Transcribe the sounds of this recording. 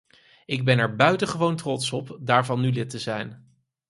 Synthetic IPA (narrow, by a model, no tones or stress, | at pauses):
ɪɡ̚bɛnɛɹbœɥtəχəʋowntrɔtsɔpdaːɹvɑnːylɪtəzɛjn